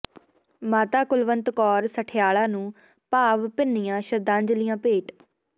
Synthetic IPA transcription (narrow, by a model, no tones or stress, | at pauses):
maːt̪aːkʊlʋənt̪kɔːɾsəʈʰɪjaːɭãːnũː | paːʋpɪnːɪjãːʃəd̪ãːɲd͡ʒlɪjãːpeːʈ